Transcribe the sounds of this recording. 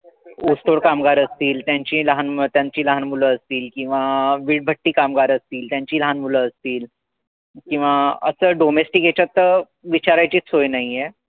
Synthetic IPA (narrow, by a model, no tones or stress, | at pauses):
usʈoɽkamɡaɾəst̪iːlt̪jãɲt͡ɕiːləɦant̪jãɲt͡ɕiːləɦanmuləəst̪iːlkĩw̃ʋaʋiːɽ̚bʱəʈːiːkamɡaɾəst̪iːlt̪jãɲt͡ɕiːləɦanmuləəst̪iːl | kĩw̃ʋaəsəːɖomesʈiket͡ɕat̪ːə | ʋit͡ɕaɾajt͡ɕiːt͡shɦojnaɦiɛ